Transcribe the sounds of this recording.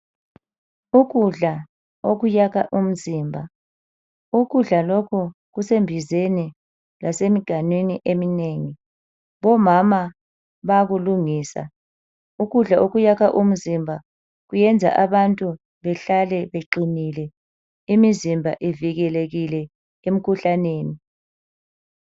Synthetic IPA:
uɣuɮa | oɣujaɣaʔum̩ziːmbʱa | uɣuɮalɔkʰɔ | ɣusembʱizeni | lasemiɡ̥ʱanweniʔemineŋi | βɔmama | βaɣuluŋiːsa̰ | uɣuɮaʔoɣujakaʔum̩zimbʱa | ɣujɛnd͡zʱa̰ʔaβantʼu | βɛɬalɛβeǃinilɛ | imizimbʱa̰ʔiviɣɛleɣilɛ | em̩kʰuɬaneːni

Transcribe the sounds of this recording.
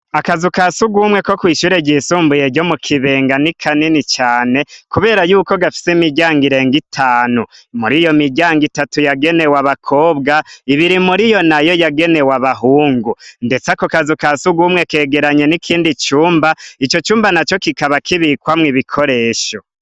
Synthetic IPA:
akazukasuɡumŋe̞ko̞kwiːʃuɾeɟisuːmbuje̞ɟo̞mukʰiβe̞ːŋɡanikʰaninit͡ʃaːne̞kuβe̞ːɾajuːko̞ɡafi̥simiɟaːŋɡiɾe̞ːŋɡitʰaːnumuɾijo̞miɟaːŋɡitatujaɡe̞ne̞waβakʰo̞ːbɡaiβiɾimuɾijo̞najo̞jaɡe̞ne̞waβaɦuːŋɡunde̞t͡sakokazukasuɡuːmŋe̞ke̞ːɡe̞ɾaɲe̞nikʰiːndit͡ʃuːmbait͡ʃo̞t͡ʃuːmbanat͡ʃo̞kikaβakiβikwamŋiβikʰo̞ɾe̞ːʃo̞

